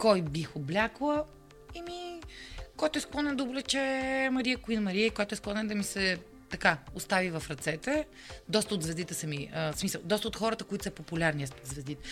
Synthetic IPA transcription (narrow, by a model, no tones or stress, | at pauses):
kɔjbixʊblʲaklˠə | imi | kɔjt̪ʊɛsklˠɔnɛnd̪əʊblɛt͡ʃɛmɐɾiəkʊinmɐɾiəikɔjt̪ʊɛsklˠɔnɛnd̪ɐmisɛ | t̪ɐkaʊst̪avivɐfɾɐt̪sɛt̪ɛ | d̪ɔst̪əʊd̪zvɛzd̪it̪ɛsɐmiəsmisəlˠd̪ɔst̪əot̪xɔɾət̪əkʊit̪ʊsɛpopulʲaɾniɛst̪od̪zvɛzd̪it̪ɛ